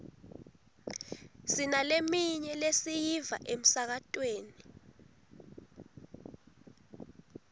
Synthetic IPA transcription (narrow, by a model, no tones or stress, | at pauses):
sinalemiɲɛlesijiva̰ʔem̩sak̬atʼweːni